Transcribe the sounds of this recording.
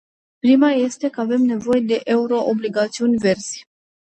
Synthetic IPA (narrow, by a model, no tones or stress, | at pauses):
pɾimaje̞st̪e̞kəave̞mne̞vo̞je̞d̪e̞ʔe̞uɾo̞ʔobliɡat̪siunʲve̞rz̥ʲ